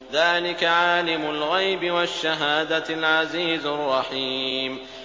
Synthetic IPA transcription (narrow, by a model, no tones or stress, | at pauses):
ðaːlɪkaʕaːlɪmʊlɣajbɪwaʃːaɦaːd̪alʕaziːzrˤːɑħiːm